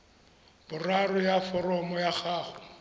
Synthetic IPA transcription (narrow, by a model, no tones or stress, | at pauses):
bʊrarɔjafɔrɔmɔjaχaːχɔ̥